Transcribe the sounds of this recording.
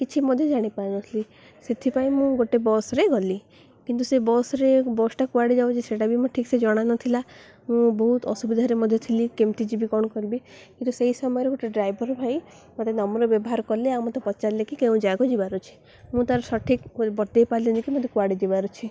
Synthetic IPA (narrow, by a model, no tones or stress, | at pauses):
kit͡ʃʰimɔd̪ʱjɔd͡ʒaɽ̃ipajnɔsʰli | set̪ʰipaĩmũɡoʈebɔsɾeɡɔli | kint̪̬usebɔsɾebɔsʈakuaɽid͡ʒawt͡ʃʰiseʈabʱimɔ̃ʈʰiksed͡ʒɔɽ̃anɔt̪ʰila | mũbɔɦut̪ɔ̰subid̪ʱaɾemɔd̪ʱjɔt̪ʰilikemt̪id͡ʒibikɔɽ̃ɔkɔɾibikint̪useɦisɔmɔjɔɾeɡoʈeɖɾajbʱɔɾbʱaj | mot̪enɔmɔɾɔbjɔbɔɦaɾɔkɔleaw̃mot̪epɔt͡ʃalekikeũd͡ʒaɡɔd͡ʒibaɾut͡ʃʰi̥ | mũt̪aɾɔsɔʈʰikbɔɾd̪ejpaɾlinikimot̪ekuaɽid͡ʒibaɾut͡ʃʰi